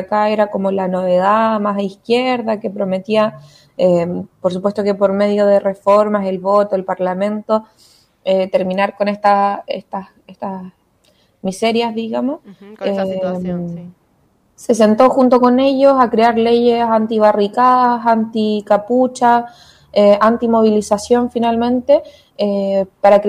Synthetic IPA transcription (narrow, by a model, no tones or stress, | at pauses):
akaeɾako̞mo̞lano̞βe̞ð̞amasaihkje̞ɾðake̞pɾo̞me̞t̪ia | empoɾs̬upwe̞st̪o̞ke̞po̞ɾme̞ðjo̞ð̞ere̞fo̞ɾmase̞lβo̞t̪oelpaɾlamẽ̞nt̪o̞ | et̪e̞ɾminaɾko̞nest̪aḛst̪as | est̪as | mise̞ɾjazðiɣamo̞se | se̞s̬e̞nt̪o̞xunt̪̬o̞ko̞ne̞ʝo̞sakɾeaɾle̞ʝesant̪iβ̞arikaðasant̪ikaput͡ʃa | eʔant̪imo̞β̞ilisasjo̞ɱfinalmẽ̞nt̪e | epaɾak